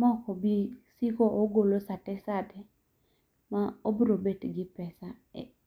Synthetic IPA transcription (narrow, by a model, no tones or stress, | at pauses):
mɔkɔbisikoʔoɡolosatɛsadɛ | maobɾobetɡɪpɛsaɛ̰